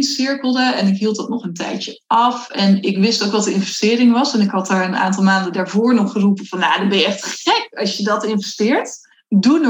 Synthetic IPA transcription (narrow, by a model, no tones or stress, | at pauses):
nsɪɹkəlˠdəɛnɪkɦilˠtɑtnɔχəntɛ̰jtə | ʔɑfɛnɪkʋɪstowkʋɑtdəɪnvɛstɪːɾɪŋʋɑsɛnɪkɦɑtdaːɹəna̰ːntɑlˠmaːndədaːɹvoːɹnɔχχərupəv̥ɑnja̰ːdɑbɛjəɛχtχɛkɑsjədɑtɪnvɛstɪːɹt | dun